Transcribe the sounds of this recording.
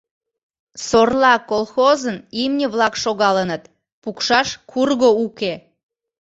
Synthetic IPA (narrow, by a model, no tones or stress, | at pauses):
sorlɑkolˠxozənimnʲəβlɑkʃoɣɑlənət̪ | pukʃɑʃkʰurɣouke